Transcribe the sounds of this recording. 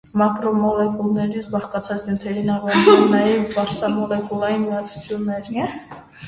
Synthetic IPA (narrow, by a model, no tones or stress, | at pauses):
makʼɾɔmɔlɛkʼulˠnɛɾisbaχkʼat̪sʰasnjut̪ʰɛlinaʁankulnɛibaɾsamɔlɛkʼulˠaimiat͡s̪ʰt͡s̪ʰilnɛɾi